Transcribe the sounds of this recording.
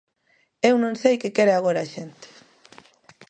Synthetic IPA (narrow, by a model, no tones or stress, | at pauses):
ewnõŋsejkekeɾeaɣ̞oɾaʃent̪e̥